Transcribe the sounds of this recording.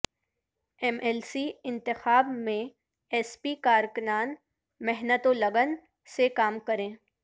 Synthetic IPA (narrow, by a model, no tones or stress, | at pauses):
ɛmɛlsiɪ̃nt̪ɪxaːbmẽ | ɛːspikaːɾkʊnaːn | mɛɦnət̪olɐɡən | sekaːmkɐɾẽː